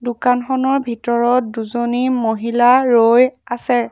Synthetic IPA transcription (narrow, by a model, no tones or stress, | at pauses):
dʊkanxɔnɔɹbʱitɔɹɔt̚duzonimoɦilaɹojasɛ